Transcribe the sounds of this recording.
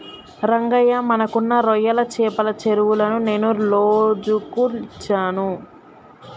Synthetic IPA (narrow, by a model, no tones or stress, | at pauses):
ɾɐŋɡɐjɐmɐnɐkunːɐɾɔjɐlɐt͡ʃɛːpɐlɐt͡ʃeɾuwulɐnune̞ːnuloːd͡ʒukult͡ʃaːnu